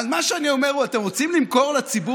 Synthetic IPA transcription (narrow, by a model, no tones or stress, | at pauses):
lmaʃeanio̞me̞ʁuat̪e̞mʁo̞t͡simlimko̞ʁlat͡sibu